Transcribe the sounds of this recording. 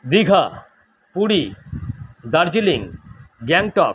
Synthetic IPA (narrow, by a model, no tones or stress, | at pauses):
d̪iɡʱa | puɽi | d̪aɾd͡ʑiliŋɡɛŋʈɔ̰